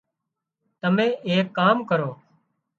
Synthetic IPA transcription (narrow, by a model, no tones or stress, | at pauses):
t̪əmẽːʔeːkːaːmkəɾoː